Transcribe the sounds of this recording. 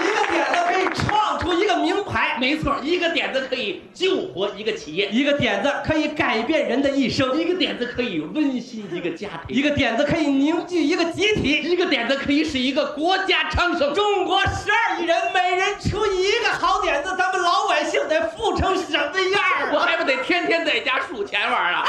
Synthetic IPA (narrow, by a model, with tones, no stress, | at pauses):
i˧˥ɡə˧t̪jɛ˨˩nd͡zə˧kʰɤ˧˥i˨˩ʈ͡ʂʰwɑ˥˩ŋʈ͡ʂʰu˥i˧˥ɡə˧mi˧˥ŋpʰa˧˥ɪme˧˥ɪt͡sʰwɔ˥˩i˧˥ɡə˧t̪jɛ˨˩nd͡zə˧kʰɤ˧˥i˨˩ | t͡ɕjo˥˩ʊxwɔ˧˥i˧˥ɡə˧t͡ɕʰi˨˩jɛ˥˩i˧˥ɡə˧t̪jɛ˨˩nd͡zə˧kʰɤ˧˥i˧˥ka˨˩ɪpjɛ˥˩nɻə˧˥nd̪ə˧i˥˩ʂo˥ʊi˧˥ɡə˧t̪jɛ̰˨˩nd͡zə˧kʰɤ˧˥i˨˩wə˥˧ny˥˧ɕi˥ni˧˥ɡə˧t͡ɕja̰˥t̪ʰḭ˨˧˥i˧˥ɡə˧t̪jɛ˨˩nd͡zə˧kʰɤ˧˥i˨˩ni˧˥ŋt͡ɕy˥˩i˧˥ɡə˧t͡ɕi˧˥t̪ʰi˧˥i˧˥ɡə˧t̪jɛ˨˩nd͡zə˧kʰɤ˧˥i˨˩ʂɻ̩˥˩i˧˥ɡə˧kwɔ˧˥t͡ɕja˥ʈ͡ʂʰɑ˥ŋʂɤ˥ŋʈ͡ʂʊ˥ŋkwɔ˧˥ʂɻ̩˧˥a˞˥˧˩i˨˩ɻə˧˥nme˨˩ɪɻə˧˥nʈ͡ʂʰu˧˥i˧˥i˧˥ɡə˧xɑ˧˥ʊt̪jɛ˨˩nd͡zə˧t̪ʰa˥mə˨˧nlɑ˧˥ʊpa˨˩ɪɕi˥˧ŋt͡sa˧˩ɪfu˥˩ʈ͡ʂʰɤ˥ŋʂə˨˩t̪ə˥˧i˧˥ə˥˩wɔ˨˩xa˧˥ɪpu˥˩t̪e˨˩ɪt̪ʰjɛ˥nt̪ʰjɛ˥nt͡sa˥˩ɪ˩t͡ɕja˥ʂu˨˩t͡ɕʰjɛ˧˥nʋə˞˨˩ɐ̰˧